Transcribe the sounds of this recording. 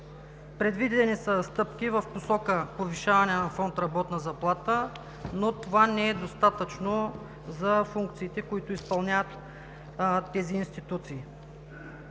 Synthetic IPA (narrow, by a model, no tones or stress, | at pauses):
pɾɛd̪vidd̪ɛnisəst̪ɤpk̟ivəfposɔkəpoviʃavɐnɛnɐfɔnt̪ɾɐbɔt̪nəzɐplˠat̪ə | not̪ovanɛɛd̪ost̪at̪ət͡ʃno | zɐfuŋk̚t̪siːt̪ɛkoit̪ʊispɐlˠnʲavət̪ | t̪ːɛziːnst̪it̪ut̪siː